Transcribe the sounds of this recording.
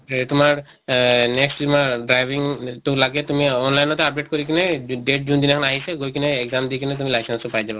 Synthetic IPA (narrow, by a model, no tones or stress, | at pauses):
t̪ʊmaɹ | nɛksʈumaɹɖɹajbiŋtʊlaɡɛt̪umiɔnlajnɔt̪ɛap̚ɖeʈ̚koɹikinɛɖeʈ̚d͡ʒund̪inɛkʰɔnaɦisɛɡojkinɛːɡzamd̪ikinɛt̪̬umilasansopajzaba